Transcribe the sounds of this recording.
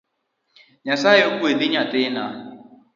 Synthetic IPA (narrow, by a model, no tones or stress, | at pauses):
ɲasaːɪokʷuediɲatɪna